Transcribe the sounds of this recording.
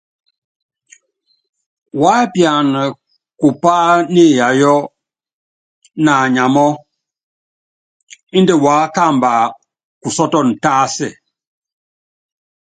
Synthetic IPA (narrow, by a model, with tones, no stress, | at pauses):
wa˨˦pja˨n˨ | ku˨pa˦ne˦˨ja˨jɔ˦ | na˨ɲa˨mɔ˦ | i˦ndɛ˦waː˨˦ka˦˨mba˨ | ku˨sɔ˦tɔ˦˨n̩˨taː˦sɛ˦˨